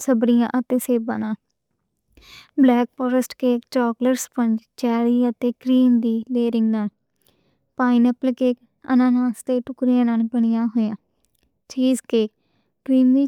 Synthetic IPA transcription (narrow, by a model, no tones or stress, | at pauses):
səbɾɪjã̰ːʔət̪eːseːbã̰ːnaː | blɛːk̚pɔːɾəsʈkeːkt͡ʃɔːkləɾspə̃ɲd͡ʒt͡ʃɛːliːət̪eːkɾiːmd̪iːleːɾɪ̃ŋɡnaːl | paːɪnəplkeːk | ə̰nãːnãːst̪eːʈʊkɾijãːnaːlbəɽ̃ɪjãːɦoːjãː | t͡ʃiːzkeːk̚ | kɾiːmd̪iː